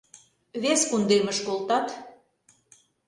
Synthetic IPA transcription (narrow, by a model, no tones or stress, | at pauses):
βeskund̪emə̆ʃkolt̪ɑt̪